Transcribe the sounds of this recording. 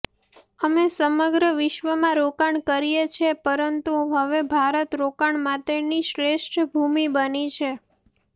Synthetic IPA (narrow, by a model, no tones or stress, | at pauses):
əmesəməɡɾəʋɪʃʋəmãɾokaɳkəɾijet͡ʃʰepəɾənt̪uɦəʋebʱaɾət̪ɾokaɳmãt̪eniʃɾeʃʈbʱumibənit͡ʃʰe